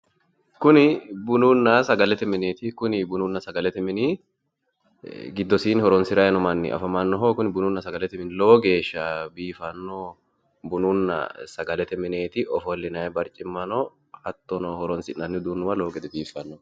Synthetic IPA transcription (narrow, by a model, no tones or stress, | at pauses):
kʊnɪbʊnʊnːɐsɐɡɐlɛt̪ɛmɪneːt̪ɪkʊnɪbʊnʊnːɐsɐɡɐlɛt̪ɛmɪnɪ | ɡɪd̪ːɔsiːnhɔɾɔnsɪɾɐjɛnɔmɐnːɪ̰ʔɐ̰fɐmɐnːɔɦoːkʊnɪbʊnʊnːɐsɐɡɐlɛt̪ɛmɪnɪlo̞ːɡe̞ːʃːɐbiːfɐnːo | bʊnʊnːɐ̰sɐɡɐlɛt̪ɛmɪneːt̪ɪʔɔfɔlːɪnɐjɛbɐɾt͡ʃʼɪmːɐnɔ | hɐt̪ːɔnɔhɔɾɔnsɪnːɐnːɪd̪unːʊwɐlo̞ːɡɛd̪ɛbiːfɐnːɔ